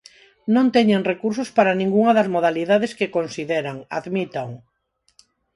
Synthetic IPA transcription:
nõnt̪ɛɲeŋrekuɾsʊspaɾanĩŋɡuŋɐðɐzmoðaliðað̞eskekonsiðɛɾaŋa̰ðmit̪aŋ

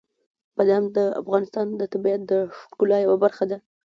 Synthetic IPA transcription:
bad̪aamd̪əa̰fɣɑnɪst̪ɑnd̪ət̪abiat̪̚d̪əʂkulɑjawabaɾxad̪a

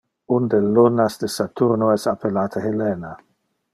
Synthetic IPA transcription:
und̪elːonasd̪esat̪urnoɛsapʰelaːt̪ʰahelɛːna

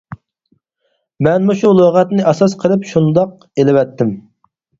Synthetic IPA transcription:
mɛnmuʃulˠoʁɛt̪nɪʔɑsɑsqʰəlˠɨpʃund̪ɑq̚ | elɪwɛt̪ʰːɪm

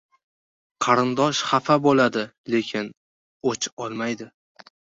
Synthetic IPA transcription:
qʰɑɾɪnd̪ɒʃχafabolad̪ɪ | le̞kʲʰɪn | ot͡ʃɒlˠmajd̪ɪ

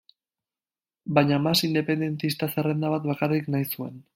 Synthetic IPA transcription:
baɲamasind̪e̞pe̞nd̪e̞nt̪ist̪asere̞nd̪aβat̪βakariknajsue̞̰n

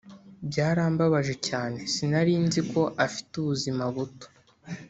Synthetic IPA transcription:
bjaːɾaːmbaβaʒe̞caːne̞sinaɾiːnziko̞ʔafi̥tuβuzimaβuto̥

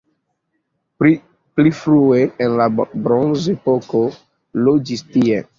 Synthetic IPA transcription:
plifɾueenlabɾonzepoko | lod͡ʒistie

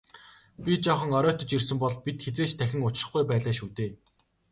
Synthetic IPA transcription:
pʲit͡ɕɔχə̆ŋɔɾœːt̪ɞ̆t͡ɕirsɘ̆mpɔɮpit̪xet͡seːt͡ɕt̪ʰæxʲɪ̆ŋʊt͡ɕrə̆χɡujpæːɮaːʃuːt̪eː

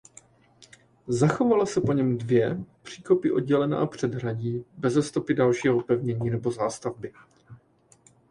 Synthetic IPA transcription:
zaxo̞valasɛpo̞ɲɛmdvjɛpr̥iːko̞pɪʔo̞d̚ɟɛlɛna̰apr̝̥ɛdɦraɟiːbɛzɛst̪o̞pɪdalʃiːɦo̞pɛvɲɛɲiːnɛbo̞zaːst̪avbɪ

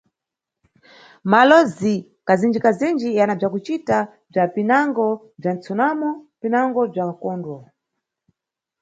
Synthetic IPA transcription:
malɔzi | kazind͡ʒikazind͡ʒijanab͡ʐakut͡ʃita | b͡ʐapinaŋɡɔ | b͡ʐant͡sʰɔnamɔpinaŋɡɔb͡ʐakɔːndwɔ

